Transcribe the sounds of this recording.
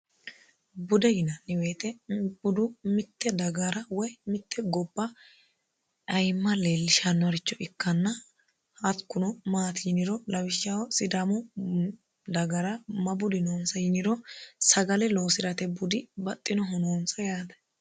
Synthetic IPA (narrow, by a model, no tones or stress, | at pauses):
bʊd̪ɛjɪnɐnːɪwe̞ːt̪ɛb̥ʊd̪ʊmɪt̪ːɛd̪ɐɡɐɾɐwɔjmɪt̪ʰːɛɡɔbːɐ | ʔɐjmːɐleːlːɪʃɐnːwɐɾɪt͡ʃːɔʔɪkːɐnːɐ | ɐt̪kːʊnɔmaːt̪ɪnɪɾɔlɐwɪʃːawsɪd̪amɔ | d̪ɐɡɐɾɐmɐbʊd̪ɪnoːnsɐjɪnɪɾɔsɐɡɐlɛlo̞ːsɪɾɐt̪ɛbʊd̪ɪbɐt̪ʼːɪnɔɦɔnoːnsɐjaːd̪ɐ̥